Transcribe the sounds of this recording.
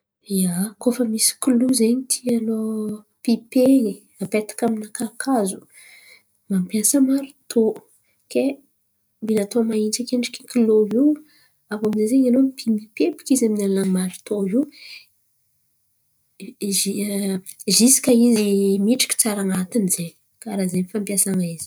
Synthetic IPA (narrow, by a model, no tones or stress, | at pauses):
iakofəmisi̥kiluzeɲit̪ʰialo | pipeɲi | apet̪ḁkaminakakʰazu̥ | mampjasəmaɾu̥t̪ʰo | ke | mbinat̪omaint͡sakeɳɖ͡ʐi̥kʲi̥kiloi | avomizezeɲalomipimipepi̥kʲizaminalnamaɾut̪oi | i | zisi̥kʲaizimiʈ͡ʂḁkʲi̥t͡saɾaŋat̪inz̥eɲ | kaɾazeɲfampjasaŋaizi̥